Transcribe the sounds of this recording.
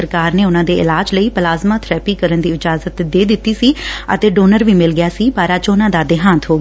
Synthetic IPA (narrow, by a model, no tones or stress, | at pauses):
əɾkaːɾneːʊnãːd̪eːɪlaːd͡ʒləiːpəlaːzmaːt̪ʰɾɛːpiːkəɾənd̪iːɪd͡ʒaːzət̪d̪eːd̪ɪt̪ːiːsiːə̰t̪eːɖoːnəɾʋiːmɪlɡɪjaːsiːbaːɾaːt͡ʃonãːd̪aːd̪ɪɦãːnt̪ʰɦoːɡ